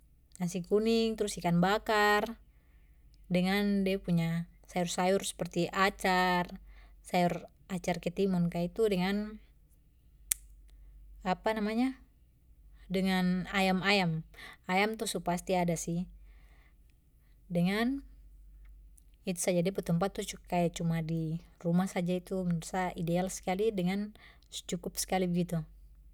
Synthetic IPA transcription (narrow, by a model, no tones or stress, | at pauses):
nasikunɪŋt̪əɾʊsikanbakar | dəŋandiapuɲasajʊrsajʊrsə̥pərt̪iʔat͡ʃarsajur | at͡ʃarkɛt̪imunkait̪udəŋan | apanamaɲa | dəŋanajamajamajamt̪usupast̪iadasɪh | dəŋan | it̪usad͡ʒadipət̪əmpat̪ːukajat͡ʃumadirumahsad͡ʒait̪umənusaidealsə̥kalidəŋan | sə̥t͡ʃukʊpsə̥kalibəɡit̪u